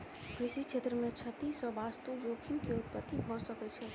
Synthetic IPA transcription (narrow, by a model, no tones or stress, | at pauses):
kɾɪʃikt͡ʃʰeːt̪ɾəmẽt͡ʃʰət̪isɔʋast̪ud͡ʒoːkʰimkeʊt̪̚pət̪ːibʱɔɾsəkɛt͡ʃʰɛ